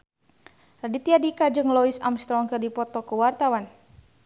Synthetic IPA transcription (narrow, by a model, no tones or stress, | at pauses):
radit̪iadikad͡ʒɨŋlɔisa̰mst̪ɾɔŋkərdipɔt̪ɔkəwart̪awan